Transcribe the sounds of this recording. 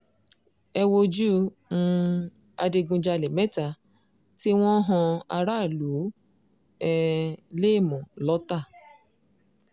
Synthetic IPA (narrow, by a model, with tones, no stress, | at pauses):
ɛ˧wo˧d͡ʒu˦ | ñ̩˦ | a˧de˧ɡũ˧d͡ʒa˧le˨mɛ˦ta˨ | ti˦w̃ɔ̃˦ɦɔ̃˧a̰˧ɾa˦˨lu˨˦ | ɛ˧le˦˨mɔ̃˨lɔ˦ta˦˨